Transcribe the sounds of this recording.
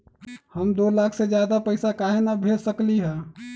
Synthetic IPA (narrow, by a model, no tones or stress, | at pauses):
həmd̪olaːkʰsed͡ʒjad̪apəɪsakaɦenabʱelsəkliɦɛ̃